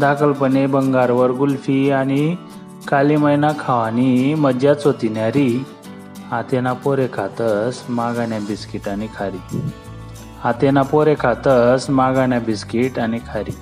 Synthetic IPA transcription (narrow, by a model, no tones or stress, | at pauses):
d̪akəlpənebəŋɡaɾʋəɾɡulfiañi | kaliməjnakʰaʋanimədjat͡sot̪injaɾi | hãt̪enapoɾekʰat̪əsmaɡãnjabiskiʈanikʰaɾi | hãt̪enapoɾekʰat̪əsmaɡanjabiskiʈanikʰaɾi